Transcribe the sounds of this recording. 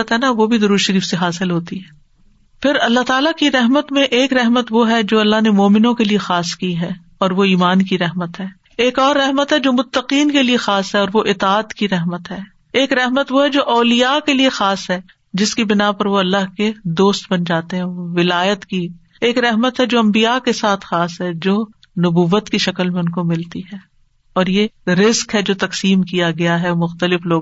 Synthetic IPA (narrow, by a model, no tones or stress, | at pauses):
ət̪ɦɛnaʋobʱid̪ɐɾuːɾʃɐɾiːfseɦaːsɪlɦoːt̪iɦɛː | pʰɪɾɐlːaɦt̪aːlakiɾɛɦmət̪mẽʔeːkɾɛɦmət̪ʋoɦɛd͡ʒoːɐlːaɦnemɔːmɪnõkeliexaːskiɦɛː | ɔːɾʋoiːmaːnkiɾɛɦmət̪ɦɛː | eːkɔːɾːɛɦmət̪ɦɛd͡ʒoːmʊt̪ːəqiːnkeliexaːsɦɛɔːɾʋoʔɪt̪aːt̪kiɾɛɦmət̪ɦɛː | eːkɾɛɦmət̪ʋoɦɛd͡ʒoːʔɔːlijakeliexaːsɦɛː | d͡ʒɪskibɪnapɐɾʋoɐlːaɦked̪oːst̪bɐnd͡ʒaːt̪eɦɛ̃oʋɪlaːjət̪ki | eːkɾɛɦmət̪ɦɛd͡ʒoːɐ̃mbijakesaːt̪ʰxaːsɦɛd͡ʒoː | nʊbuːʋːət̪kiʃɐkəlmẽʊnkomɪlt̪iɦɛː | ɔːɾjeɾɪzkɦɛd͡ʒoːt̪ɐqsiːmkijaɡɐjaɦɛmʊxt̪əlɪfloːɡ